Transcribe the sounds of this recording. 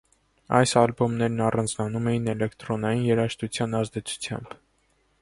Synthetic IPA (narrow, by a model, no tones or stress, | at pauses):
ɑ̰jsɑlbumnɛɾnɑrɑnd͡znɑnumɛjinɛlɛkt̪ɾɔnɑjinjɛɾɑʃt̪ut͡sʰjɑnɑzd̪ɛt͡sʰu̥t͡sʰjɑ̰mb